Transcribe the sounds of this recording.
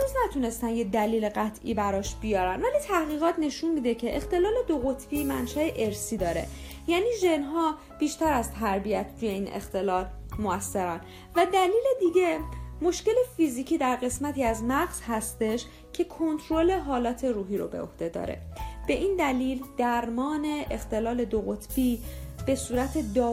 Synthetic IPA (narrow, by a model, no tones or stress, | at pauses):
nuːznæt̪ʰune̞st̪ænjed̪æliːle̞ɣæt̪ʰʔḭbæɾɒːʃb̥ijɒːɾænvæliːt̪ʰæhɣiːɣɒːt̪ʰne̞ʃunmiːd̪e̞cʰe̞ʔext̪elɒːle̞d̪oɣo̞t̪ʰvimænʃæeʔe̞ɾsiːd̪ɒːɾe̞̰ | jæːniːʒe̞nɦɒː | b̥iːʃt̪æɾæzt̪ʰæɾbijæt̪ʰɾuje̞iːnḛxt̪e̞lɒːlmoæsːe̞ɾæn | væd̪æliːle̞d̪iɟe̞mo̞ʃce̞le̞fiːziːcʰiːd̪æɾɣe̞smæt̪ʰiːæznæɣz̥hæst̪e̞ʃ | cʰe̞kʰo̞nt̪ʰɾo̞le̞ɦɒːlɒːt̪ʰe̞ɾuːɦiːɾo̰be̞̰o̞̰hd̪e̞d̪ɒ̰ːɾḛb̥e̞ʔiːnd̪æliːld̪̥æɾmɒːne̞ʔext̪e̞lɒːle̞d̪oɣot̪ʰb̥ib̥e̞suːɾæt̪ʰe̞d̪ɒː